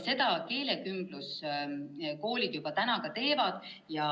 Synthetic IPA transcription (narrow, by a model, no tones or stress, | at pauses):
se̞d̪̥ɑke̞ːle̞kymb̥lus | ko̞ːlʲid̪̥jub̥ɑt̪ænɑkɑt̪e̞ːvɑd̪̥ | jɑ